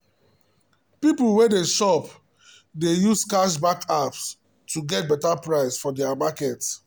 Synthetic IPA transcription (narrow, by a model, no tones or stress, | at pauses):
pipl̩wedeʃɔp | dejuskaʃbakʰaps | tuɡɛt̚bɛtapɹaɪsfɔdɛamakɛt